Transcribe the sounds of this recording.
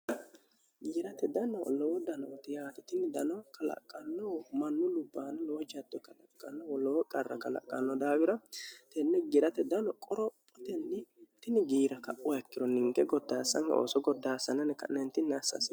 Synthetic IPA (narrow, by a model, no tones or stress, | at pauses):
ɡiːɾɐt̪ɛd̪ɐnɔlɔwɔd̪ɐnɔt̪ɪjaːt̪ɪt̪ɪnɪd̪ɐnɔkɐlɐ̰kʼːɐnːɔwmɐnːʊlʊbːaːnɐlɔwɔd͡ʒɐd̪ɔkɐlɐkʼːɐnːɔwɔlɔwɔkʼɐrːɐ̰kʼɐlɐ̰kʼːɐnːɔd̪aːwɪɾɐt̪ɛnːɛɡɪɾɐt̪ɛd̪ɐnɔkʼɔɾɔpʼːɔt̪ɛnːɪt̪ɪnɪɡiːɾɐkɐʔʊɛkːɪɾɔnɪŋɡɛɡɔd̪ːaːsːɐŋkɐ̰ʔo̰ːsɔɡɔd̪ːaːsɐnɛnɛkɐ̰nɛnt̪ɪnːɐsːɐ̰s